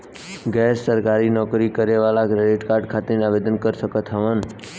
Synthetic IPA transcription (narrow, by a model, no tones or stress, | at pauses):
ɡɛsːəɾkaɾinɔkɾikəɾeʋalaɡɾeɖeʈkaɾɖkʰat̪enaʋed̪ənkəɾʃəkət̪ʰɦəʋan